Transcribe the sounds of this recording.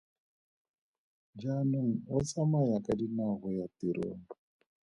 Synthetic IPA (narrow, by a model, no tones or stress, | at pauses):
d͡ʒanunɔt͡samajakadinaɣɔjatiɾo̰ːnbu